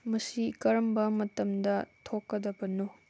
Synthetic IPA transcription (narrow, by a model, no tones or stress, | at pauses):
mɐsikɐɾɐmbɐmɐtɐmdɐtʰokːɐdɐbɐnu